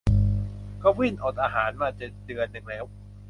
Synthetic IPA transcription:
kɔː˧˥˩wi˥˩nʔoː˨˩t̪̚ʔaː˧ɦaː˩˦nmaː˧˩t͡ɕe˨˩dɯ˧ənːɯ˨˩ŋlɛː˦˥w

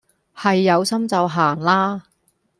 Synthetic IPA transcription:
hɐ˨jːɐ˨˧wsɐ˥mt͡sɐ˨˧wɦaː˨˩ŋlaː˥

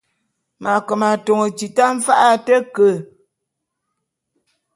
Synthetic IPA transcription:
ma˨kə˨ma˨to˨ŋə˨t͡ʃi˨ta˦ɱ̩˦fa˦ʔa˦tə˦kə˦˨

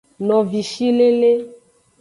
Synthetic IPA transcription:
nɔ̃˨vi˨ʃi˦le˦le˦

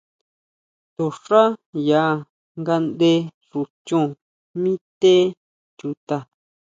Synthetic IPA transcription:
t̪o˨ʂa˦ja˨˦˨ | ŋɡa˧nd̪e˧ | ʐu˧t͡ʃũ˦˧ | mĩ˦t̪e˦ | t͡ʃu˧t̪a˧

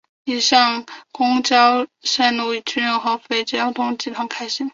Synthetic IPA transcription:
i˨˩ʂɑ˥˩ŋkʊ˥ŋt͡ɕjɑ˥ʊʂa˥˩ɪnu˥˩i˨˩t͡ɕʰy˥nɻə˥˧ŋxo˥˩ʊfe˥˩ɪt͡ɕjɑ˥ʊt̪ʰʊ˥ŋt͡ɕi˥˩t̪ʰɑ˥ŋkʰa˥ɪɕi˥˦ŋ

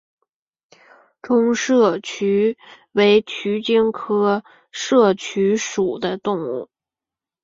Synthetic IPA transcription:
ʈ͡ʂʊ˥ŋʂɤ˥˩t͡ɕʰy˧˥ | we˧˥ɪt͡ɕʰy˧˥t͡ɕi˥ŋkʰɤ˥ | ʂɤ˥˩t͡ɕʰy˧˥ʂu˨˩d̪ə˦t̪ʊ˥˧ŋṵ˥˩

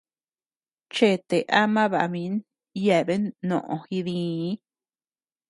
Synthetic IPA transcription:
t͡ʃe˦˨t̪e˨ʔa˦mã˦βa̰˨mĩ˦n | ja˨be˦nõ̰˨ʔõ˧hi˧ðĩ˧˦

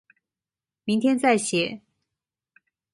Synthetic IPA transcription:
mi˧˥ŋt̪ʰjɛ˥nt͡sa˥˩ɪɕjɛ˨˩˦

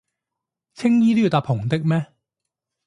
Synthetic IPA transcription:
t͡sʰɪ˥ŋjiː˥t̪i˥˨˩t̪aː˨˧pʰːʊ˨˩ŋt̪ɪ˥k̚mɛː˥

